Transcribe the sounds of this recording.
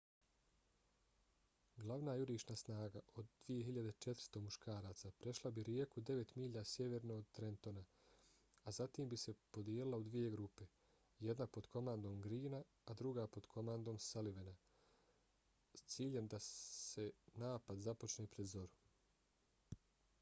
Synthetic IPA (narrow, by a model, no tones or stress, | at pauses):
ɡlaʋnajuɾiːʃnasnaːɡaʔod̪ːʋije̞ɦiʎad̪et͡ʃe̞t̪ɾ̥st̪o̞muʃkʰaːɾaːt̪sapɾe̞ʃlˠabiɾijekud̪e̞ʋe̞t̪miːʎasje̞ʋe̞ɾnoːd̪̚t̪ɾent̪o̞na | azat̪iːmbise̞po̞d̪jeːlilˠaud̪ʋije̞ɡɾupe̞ | jed̪napo̞d̪kʰo̞mand̪o̞ːmɡɾiːnaː | d̪ɾuɡaːpo̞d̪kʰo̞mand̪o̞ːmsaliʋena | st̪siːʎe̞md̪ase̞naːpad̪zapo̞t͡ʃneːpɾed̪zo̞ɾu